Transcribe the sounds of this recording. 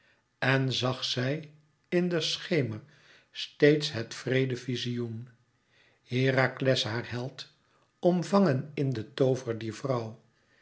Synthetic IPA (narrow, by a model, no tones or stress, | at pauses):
ɛnzɑχsɛj | ɪndəsχejməɹ | stejtsɦɛtfrejdəvizijun | hɪːraklɛsɦaːɹhɛlˠt | ɔmvɑŋənɪndətowvəɹdiːɹvrʌw